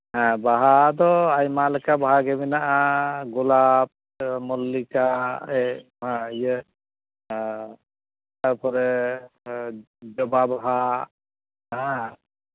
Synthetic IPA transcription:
ɦãbaɦad̪ɔajmalɛkabaɦaɡɛbinaʔaɡulab̚ | mɔlːikaɛ | ɦãijə | taɾpʰɔɾɛ | d͡ʒɔbabaɦa | ɦã

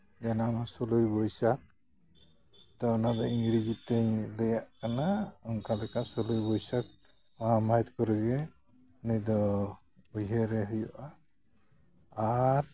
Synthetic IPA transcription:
d͡ʒanamasɔlujbɔjsak̚ | t̪ɔɔnad̪ɔiŋɡɾid͡ʒit̪ɛjləjaʔkanaɔŋkalɛkasɔlujbɔjsak̚ | waɦamajt̪kɔɾəɡɛ | nid̪ɔ | ujɦeɾɛɦujɔʔa | ɾ

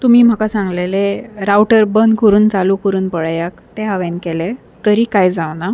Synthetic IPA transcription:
t̪umiːm̤akasãŋɡleleɾawʈəɾbənd̪kəɾuːnt͡salukəɾuːnpəɭajakt̪ɛɦaʋɛ̃nkɛlɛ | t̪əɾiːkajd͡zawna

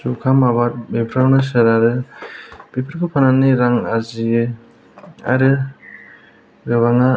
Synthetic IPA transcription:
sukʰamaβat̚bepʰɾawnɯs̬ɯɾaɾɯ | b̥epʰɾkʰɯpʰananiɾaŋazijɯ | a̰ɾɯ | ɡɯβaŋa

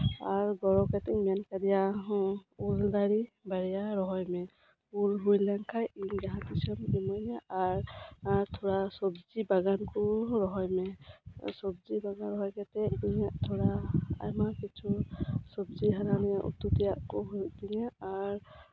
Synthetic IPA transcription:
aɾɡɔɾɔkat̪ɛŋmɛjankaɾija | uld̪aɾibaɾɛjaɾɔɦɔjmɛ | ulɦujlaŋkʰajʔiŋɡaɦãt̪isɔmimɔjnaʔaɾɾt̪ʰɔɾasɔbd͡ʒibaɡankɔɾɔɦɔjmɛsɔb̚zibaɡanɾɔɦɔjkat̪ɛdiŋaʔt̪ʰɔɽaa̰jmakit͡ʃʰusɔbd͡ʒiɦaɾanijaʔṵt̪ut̪ijaʔkɔɦud̪iŋaːɾ

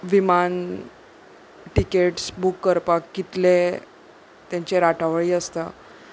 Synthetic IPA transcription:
ʋiman | ʈikeʈsbukːəɾpakːit̪le | t̪jãɲt͡ɕeɾaʈʰaʋɭiːəst̪a

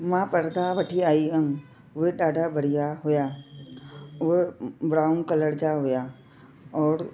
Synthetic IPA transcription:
mãpɐɾd̪ʱaʋɐʈʰiaːiɦəm | ʊɦeɗaːɖʱabʱəɽijaɦʊja | ʊebɽaːʊnkələɽd͡ʑaɦʊja | ɔːɾ

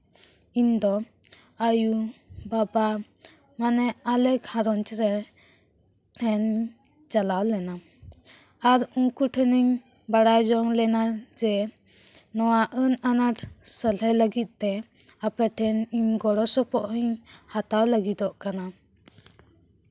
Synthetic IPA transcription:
ind̪ɔ | ajubaba | manɛalɛkhaɾɔnt͡ʃɾɛ | tʰɛn | d͡ʒalawlɛna | aɾuŋkuʈʰɛniŋ | baɽajd͡ʒɔŋlɛnaɾd͡ʒɛ | nɔwaʔənanaɾsəleləɡit̪̚ˀt̪ɛ | apɛʈʰɛniɲɡɔɾɔsɔpʰɔʔiɲhat̪awləɡid̪ɔʔkana

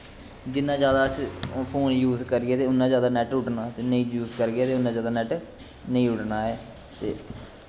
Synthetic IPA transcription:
d͡ʒɪnːãːd͡ʒjaːd̪aːspʰoːnjuːzkəɾɡɪɛːt̪eːʊnːãːd͡ʒjaːd̪aːnɛːʈʊʈnaːt̪eːnəĩːjuːzkəɾɡɪjaːt̪eːʊnːãːd͡ʒjaːd̪aːnɛːʈ | nəĩːʊʈnaːɛː | t̪ḛː

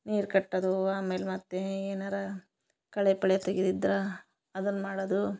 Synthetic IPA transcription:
niːɾkɐʈːɐd̪uaːme̞ːlmɐt̪ːeeːnɐɾɐ | kɐɭepɐɭjɐt̪eɡid̪id̪ɾɐ | ɐd̪ɐnːmaːɽɐd̪u

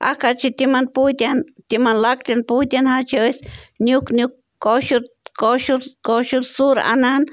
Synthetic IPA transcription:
ʔa̰kat͡ʃit̪imanput̪ʲant̪imanlak̚t̪anput̪ʲjanhat͡ʃeesnjuknjuk̚ː | oʃuɾkoʃuɾkoʃuɾsuɾa̰nan

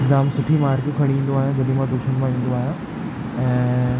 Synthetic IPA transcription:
eɡzaːmsʊʈʰimaːɾkikʰəɽ̃ĩːnd̪oaːɦẽd͡ʑɐd̪ĩmãd̪uʃuñmãɦĩːn̆d̪oaːɦe | ɛ̃

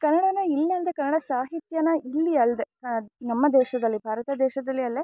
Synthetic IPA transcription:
kɐnːɐɽɐnɐilːiɐld̪ekɐnːɐɽɐsaːɦit̪jɐnɐʔilːiɐld̪enɐmːɐd̪ɛːʃɐd̪ɐlːibʱaːɾɐt̪ɐd̪ɛːʃɐd̪ɐlːiɐlːe

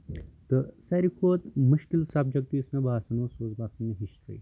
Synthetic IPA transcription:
t̪əsɐɾikʰoːt̪mʊʃkɪlsab̚d͡ʒɐk̚t̪iʊsmẽbaːsɐnosoːzbaːsɐnmẽɦɪsʈɾḭː

